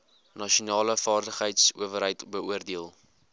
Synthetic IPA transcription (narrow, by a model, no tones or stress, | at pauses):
nɐʃiunɑːləfɑːrdəχɦəjtsṵəvərɦəjtbəuərdiəlˠ